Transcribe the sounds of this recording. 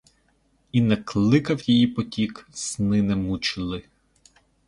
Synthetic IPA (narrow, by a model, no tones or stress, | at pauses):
inɛklˠɪkɐwjijipɔtʲiksnɪnɛmut͡ʃɪlˠɪ